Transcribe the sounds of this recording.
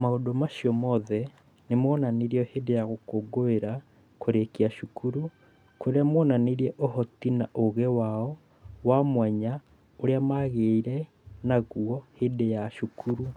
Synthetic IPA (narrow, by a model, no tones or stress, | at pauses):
maodomaʃiɔmɔðɛ | nemɔnaneɾiɔhedejaɣokoɡoeɾa | koɾekiaʃukʰuɾu | koɾeamwɔnaneɾiɛʔohɔtinaʔoɣɛwaɔ | wamwɛɲa | oɾeamaɣeiɾɛ | naɣuɔhedejaʃukʰuɾu